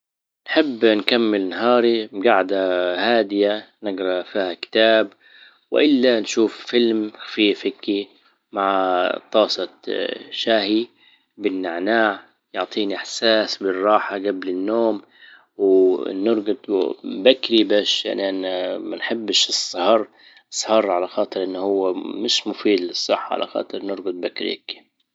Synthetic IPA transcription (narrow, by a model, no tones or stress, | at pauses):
nħɪbːnkamːɪlnaɦɑːɾimɡaʕd̪ahaːd̪ɪjanɪɡɾˤɑfiːhakɪ̥t̪aːb | wɪ̰ʔɪlːanʃuːffɪlmxfiːfɪkːi | maʕt̪ˤɑːsˤɑʃaːhi | bɪnːaʕnaːʕ | jʊʕt̪ˤiːniʔaħsaːsbɪrˤːɑːħaɡablɪnːoːm | wnʊɾˤɡʊd̪ˤbakɾibaːʃʔa̰nʔanːmanħɪbːʃɨsˤhɑɾˤ | sˤhɑɾˤʕalaxɑːt̪ˤɨɾʔɪnːhʊwːamɪʃmʊfiːd̪lɪsˤːɑħːʕa̰lʔa̰xɑ̰ːt̪ˤɨɾnʊɾˤɡʊd̪̚bakɾḭkːi̥